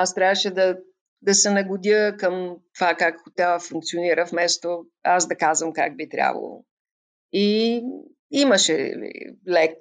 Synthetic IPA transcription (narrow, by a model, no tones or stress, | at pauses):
ast̪ɾʲavəʃɛd̪ɐ | d̪ɐsɛnɐɡʊd̪ʲjəkəmt̪ovakakxʊt̪ʲavəfuŋk̚t̪sioniɾəfmɛst̪o | azd̪ɐkazvəmka̰ɡ̚bit̪ɾʲa̰vɐ̰lˠʊ̰ | i | iməʃɛḭlɛk